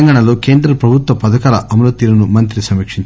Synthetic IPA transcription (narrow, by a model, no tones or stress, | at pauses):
ɐŋɡaːɳɐlo̞ːke̞ːnd̪ɾɐpɾɐbʱut̪ʋɐpɐd̪ɐkaːlɐʔɐmɐloːt̪iːɾɐnumɐnt̪ɾisɐmːikʂiɲt͡ʃ